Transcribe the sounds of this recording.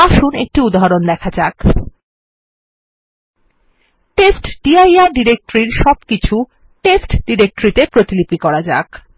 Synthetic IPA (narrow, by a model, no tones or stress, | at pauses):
aʃunek̚ʈiud̪aɦɔɾond̪ɛkʰad͡ʑak | ʈesʈɖ̥iajaɾɖiɾek̚ʈɾiɾʃɔbkit͡ɕʰu | ʈesʈɖiɾek̚ʈoɾit̪epɾot̪ilipikɔɾad͡ʑa̰k